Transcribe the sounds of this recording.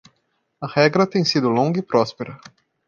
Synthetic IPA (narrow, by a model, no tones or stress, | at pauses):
ɐhɛɡɾɐt̪ẽj̃sid̪ʊlõŋɡɐipɾɔspeɾɐ